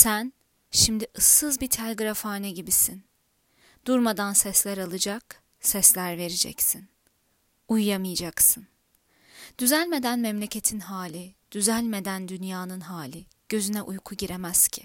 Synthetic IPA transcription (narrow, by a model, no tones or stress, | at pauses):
sæn | ʃimd̪iʔɯsːɯzbit̪ʰælʲɡɾafaːnɛɟibisin | d̪̥uɾmad̪ansɛslʲæɾalˠɯd͡ʒak | sɛslʲæɾve̞ɾid͡ʒɛ̰csin | ujːamɯjad͡ʒaksɯn | d̪̥yzælʲme̞d̪ænmɛmlʲe̞cʰe̞t̪ʰinɦaːlʲid̪̥yzælʲme̞d̪ænd̪ynjaːnɯnɦaːlʲi | ɟ̥ø̞zynɛʔujkʰuɟiɾemæz̥cʰi̥